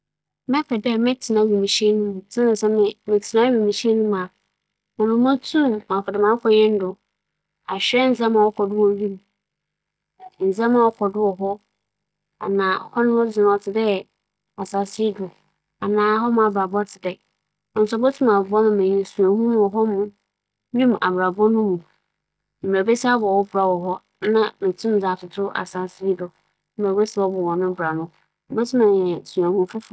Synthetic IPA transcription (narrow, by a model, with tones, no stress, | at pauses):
mɛ̃˦pʰɛ˨dɛ˦mɛ̃˦tʰi˨nã˦wu˨mĩ˨ɕɛ˦nũ˦m̃˨sã˦nã˨sɛ˦mɪ̃˦mɪ̃˨tʰi˨nã˦wu˨mĩ˨ɕi˦ɛ˦nũ˦mã˨ | mʊ̃˨nʊ̃˨mã˦tʰũ˦mã˨kʰɔ˨dɛ˨mã˨˦kʰɔ˨ɲɛ̃˦n˦dʊ˨ | a˨ɕᶣɛ˦n̩˨d͡zã˦mã˨wɔ˦kʰɔ˨dʊ˦wɔ˨˦ɥi˦m̃˨ | n̩˨d͡zã˦mã˨wɔ˦kʰɔ˨dʊ˦wɔ˨ɦɔ˦ | a̰˨nãː˨hɔ˦nʊ̃˦hʊ̃˦d͡zɪ˨nʊ̃˨ɔ˨tʰɪ˨dɛ˦˨ | a˨sa˨sdʊ˨ | a˨nãː˨˦ɦɔ˦mʊ̃˦a˨ba˨bʊ˦a˦tʰɪ˨dɛ˨ | n˨sɔ˦bɛ˦tʰũ˦ma˨˦ɔ˦nʊ̃˦mɛ̃˨ɛ̃˨sũ˨a˨hũ˦mũ˦ɔ˨ɦɔ˦mʊ̃˦ | nĩ˦m˨ʔa̰˨ba˨bɔ˦nʊ̃˦mũ˨ | m˨a˨be˦sa˦bɔ˨wɔ˦ba˨wɔ˨ɦɔ˦ | nã˦mɪ̃˨tʰũ˦d͡za˨tʰʊ˨tʰʊ˦ʔa̰˨sa˨si˦dʊ˨˦ | ba˨be˦si˦ɔ˦bɔ˨wɔ̃˨nʊ̃˦bʊ˨ɾa˨nʊ̃˦˨ | bɛ˦tʰũ˦mã˨ɛ̃˨su˨ã˨hũ˦˨fu˦f